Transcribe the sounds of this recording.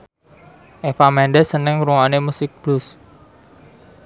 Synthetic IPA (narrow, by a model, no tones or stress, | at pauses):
ʔefamɛnɖɛsənəŋɾuŋanemusɪk̚b̥lus